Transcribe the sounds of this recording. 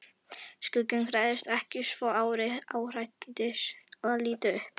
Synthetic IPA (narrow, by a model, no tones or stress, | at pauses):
skʏcːʏnkʰɾajðɪst̪ɛhcɪsvɔːaːwɾɪaːwr̥ajt̪t̪ɪɾ̥aliːt̪ɪʏhp